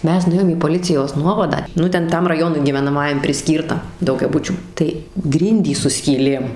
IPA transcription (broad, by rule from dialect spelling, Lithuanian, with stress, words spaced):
ˈmʲɛs nʊˈeːjoːm iː poːˈlʲɪt͡sʲɪjoːs ˈnuɔʋɐdɑː ˈnʊ ˈtʲɛn ˈtɐm rɐˈjoːnʊɪ ɡʲiːʋʲɛnɐˈmɑːjɛm pʲrʲɪˈsʲkʲiːrtɐ dɐʊɡʲɛˈbʊt͡ʃʲuː tɐɪ ˈɡrʲɪnʲdʲiːs sʊ sʲkʲiːˈlʲeːm